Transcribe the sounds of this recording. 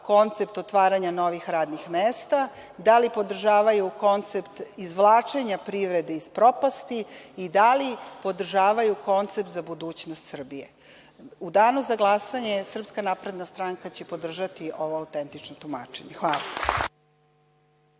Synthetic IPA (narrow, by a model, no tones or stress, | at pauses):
ko̞nt̪sep̚t̪o̞t̪ʋaːɾaɲano̞ʋixɾaːd̪nixmeːst̪a | d̪alipo̞d̪r̩ʒaːʋajuko̞nt̪se̞pt̪izʋlˠaːt͡ʃeɲapɾiʋɾe̞d̪eispɾo̞past̪iːd̪alipo̞d̪r̩ʒaːʋajuko̞nt̪sep̚t̪zabud̪uːt͡ɕnost̪sr̩bije | ud̪aːnuzaɡlˠasaɲe̞sr̩pskanaːpɾe̞d̪nast̪ɾaŋkat͡ɕepo̞d̪r̩ʒat̪iʔo̞ʋo̞awt̪e̞nt̪it͡ʃnot̪uma̰ːt͡ʃe̞ɲexʋaːlˠa̰